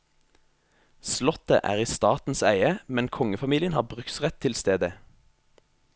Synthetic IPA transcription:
slɔt̪ə̰ʔæ̰ːʁiːst̪ɑːt̪n̩sæɪəmɛnkʰɔŋəfɑmiːlɪənhɑːbʁʉksʁɛt̪ʰːɪlst̪eːd̪ə

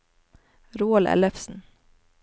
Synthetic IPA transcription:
ɾuːɑlʔɛ̰ləfsn̩

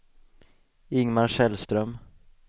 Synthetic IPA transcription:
ɪŋmaɾʂɛlst̪ɾœm

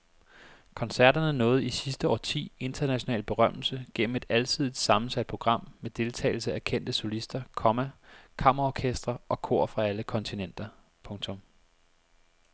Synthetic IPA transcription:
kʰɒ̽nsæɐd̥ɐnənɔ̽ːð̞̩ˠisisd̥əɒ̰ːt͡sʰḭːe̝nd̥ɐnæɕo̝nɛ̰ːl̚b̥e̝ʁɶm̰l̩səɡ̥en̰m̩e̝d̥ælt͡sʰiðˠid̥sɑ̈mn̩sæd̥̚pʰo̝ɡ̥ʁɑ̈m̰med̥e̝lt͡sʰɛ̰ɪl̩səækʰen̰d̥əsolisd̥ɐkʰɒ̽mækʰɑ̈m̰ɐɒkʰesd̥ʁɐʔɒ̽kʰo̝̰ɐ̰fʁɑ̈æləkʰɒ̽nt͡sʰinen̰d̥ɐ | pʰɔ̽ŋt͡sʰɔ̽m

